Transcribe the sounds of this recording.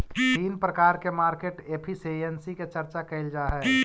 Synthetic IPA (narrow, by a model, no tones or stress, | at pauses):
iːnpɾəkaːɾkemaːɾkeːʈeːpʰiseɛnsiket͡ʃəɾt͡ʃakɐɪld͡ʒaːɦɛ